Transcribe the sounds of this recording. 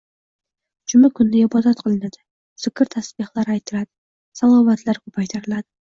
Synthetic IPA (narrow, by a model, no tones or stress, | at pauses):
d͡ʒʰʊmakʰʊnːɪɪbɒd̪at̪qʰɨlˠɪnad̪̥ɪ | z̥ɪkʲʰɪɾt̪ʰasbɪhlˠaɾajt̪ʰɪlad̪ɪ | salˠɒvat̪ʰlaɾkʰɵpʰajt̪ʰaɾɪlad̪ɪ